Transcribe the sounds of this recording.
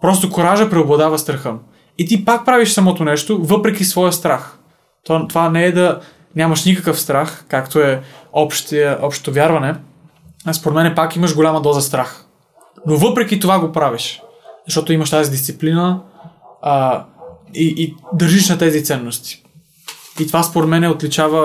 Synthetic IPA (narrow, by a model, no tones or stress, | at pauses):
pɾɔst̪okoɾaʒəpɾɛoblˠɐd̪avɐst̪ɾɐxɤm | it̪ipak̚pɾaviʃsɐmɔt̪onɛʃt̪ovɤpɾɛkisvɔjɐst̪ɾax | t̪t̪ovanɛɛd̪ɐ | nʲamɐʃnikəkəfst̪ɾaxkakt̪oɛɔpʃt̪iəʔɔpʃt̪o̥t̪ovʲjaɾvɐnɛ | spoɾɛt̪mɛnɛpakiməʃɡolʲamɐd̪ɔzɐst̪ɾax | novɤpɾɛkit̪ovaɡopɾaviʃ | zɐʃt̪ɔt̪oimɐʃt̪azid̪ist̪siplinə | iʔːd̪əɾʒiʃnɐt̪ɛzit̪sɛnːost̪i̥ | it̪ovaspoɾɛt̪mɛnɛot̪lit͡ʃavə